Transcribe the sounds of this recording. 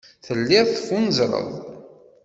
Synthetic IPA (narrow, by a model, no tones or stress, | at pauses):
θəlːɪðθfunəzˤɾˤə̰ðˤ